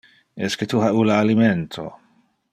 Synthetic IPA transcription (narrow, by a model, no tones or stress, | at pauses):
esket̪ʰuɦaulaːliment̪ʰo̰